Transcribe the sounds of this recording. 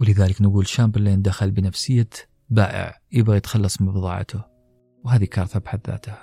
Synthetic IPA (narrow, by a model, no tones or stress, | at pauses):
wlɪðaːləknɡuːlʃːaːmbɪlːind̪axalbɪnafsɪjːa | baːʔɪ̰ʕjɪbɣijɪt̪xɑlːɑsˤmɑbðˤɑ̰ːʕ̰t̪ʰʊ | wɦaːðikɑɾˤθabħaðːa̰ːt̪ha